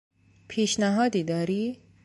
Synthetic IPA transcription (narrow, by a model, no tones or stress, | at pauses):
pʰiːʃnæɦɒːd̪iːd̪ɒːɾiː